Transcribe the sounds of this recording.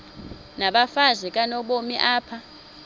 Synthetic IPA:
naɓafazɛk̬ʼanɔɓomiʔaːpʰa

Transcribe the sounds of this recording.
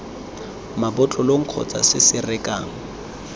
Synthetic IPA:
mabʊt͡ɬʼɔloŋ̩q͡χʰɔ̰t͡sʼa̰sɪsɪrɛkʼa̰ːŋ̩

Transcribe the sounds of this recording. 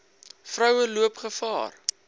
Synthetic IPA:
frœwəluəpχəfɑːr

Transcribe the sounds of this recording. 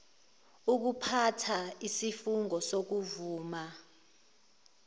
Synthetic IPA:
uk̬upʰatʰaisifuŋɔsok̬uvuːma

